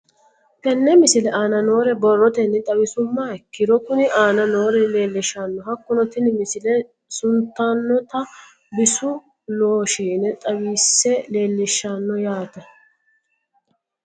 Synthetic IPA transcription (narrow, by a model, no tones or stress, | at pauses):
t̪ɛnːɛmɪsɪlɛʔaːnɐno̞ːɾɛbɔrːɔt̪ɛnːɛt̪ʼɐwɪsʊmːakːɪɾɔkʊnɪaːnɐno̞ːɾɛle̞ːlːɪʃɐnːɔɦɐkːʊnɔt̪ɪnmɪsɪlɛ | sʊnt̪ːɐnːɔt̪ɐ | bɪsʊ | noːʃiːnɛt̪ʼɐwiːsːɛle̞ːlːɪʃːɐnːɔjaːt̪ɐ